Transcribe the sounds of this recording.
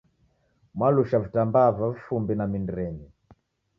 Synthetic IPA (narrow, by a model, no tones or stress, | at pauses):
mwaluʃavitambavavifumbinamindiɾɛɲi